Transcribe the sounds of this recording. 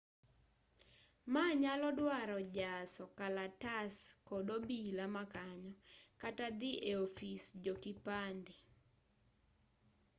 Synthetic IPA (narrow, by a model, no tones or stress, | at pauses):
maɲalɔdwaɾɔd͡ʒasɔkalataskɔdobilamakaɲɔkatad̪ɪʔeofisd͡ʒokipandɪ